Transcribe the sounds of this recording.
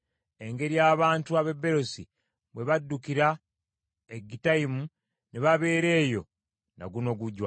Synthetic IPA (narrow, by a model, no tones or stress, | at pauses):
e̞ŋɡe̞ɾijaːβaːntuaβe̞bːe̞ɾo̞si | βwe̞βadːukiɾa | eɡitaimu | neβaβe̞ːɾe̞ːjo̞ | na̰ɡuno̞ɡuɟwa